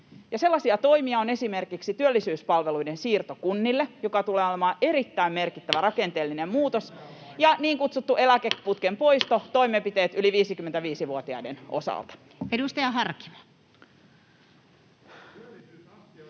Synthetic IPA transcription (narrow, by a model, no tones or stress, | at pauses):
jɑse̞lːɑsiɑt̪o̞jmiɑone̞sime̞rkiksit̪yølːisyːspɑlʋeluidensiːrt̪okunːilːejo̞kɑt̪uleːolemɑːʔe̞ɾit̪ːæimme̞rkit̪ːæʋæɾɑkent̪eːlːinemmuːt̪osjɑniːŋkut̪sut̪ːuʔe̞lækeput̪kempo̞ist̪ot̪o̞imempit̪eːt̪yliʋiːsikymːent̪æʋiːsiʋuot̪iɑ̰idenʔo̞̰sɑ̰lt̪ɑ̥ | edust̪ɑjɑɦɑrki̥mo̥